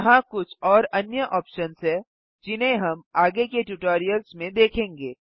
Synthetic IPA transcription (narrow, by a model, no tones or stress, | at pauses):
ɦãkʊt͡ʃʰɔːɾɐnjəʔɔːpʃənsɦɛ | d͡ʒɪnɦẽɦɐmaːɡekeʈuʈoːɾijəlsmẽd̪eːkʰẽːŋɡeː